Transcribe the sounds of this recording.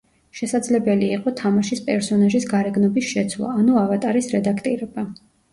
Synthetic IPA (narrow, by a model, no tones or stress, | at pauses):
ʃɛsad̪zlɛbɛliːqʼɔt̪ʰamaʃispʼɛɾsɔnaʒisɡaɾɛɡnɔbisʃɛt̪sʰwlˠa̰ːnuavat̪ʼaɾisɾɛd̪akʰt̪ʼiɾɛba